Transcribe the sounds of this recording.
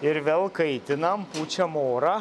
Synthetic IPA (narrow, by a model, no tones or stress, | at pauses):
ɪɾʋʲɛːlˠkɐɪt̪ʲɪnɐmpuːt͡ʃʲɛmoːɾɐ